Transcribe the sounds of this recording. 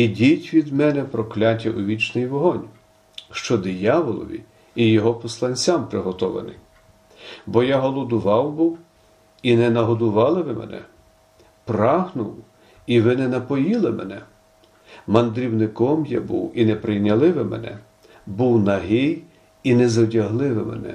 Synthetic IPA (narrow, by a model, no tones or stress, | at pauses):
idʲitʲʋʲid̪mɛnɛpɾɔklʲat̬ʲɐʔʊʋʲit͡ʃnɪjʋɔɦɔnʲ | ʃt͡ʃɔd̪ɪjɑʋɔlˠɔ̰ʋʲḭ | ijɔɦɔpɔslˠɐnʲt͡sʲampɾɪɦɔt̪ɔʋɐ̰nɪ̰j | bɔjaɦɔlˠɔd̪ʊʋɑwbʊw | inɛnɐɦɔd̪ʊʋɑlˠɪʋɪmɛ̰nɛ̰ | prɑɦnʊw | iʋɪnɛnɐpɔjilˠɪmɛnɛ | mɐnd̪ɾʲiwnɪkɔmja̰bṵwinɛpɾɪjnʲɐlˠɪʋɪmɛ̰nɛ̰ | buwnɐɦɪj | inɛzɔdʲɐɦlˠɪʋɪmɛ̰nɛ̰